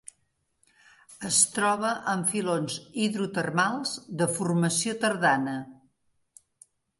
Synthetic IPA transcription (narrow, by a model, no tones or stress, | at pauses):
əst̪ɾɔβ̞əʔəɱfilonziðɾut̪ərmalˠzd̪əfurməsiot̪əɾðanə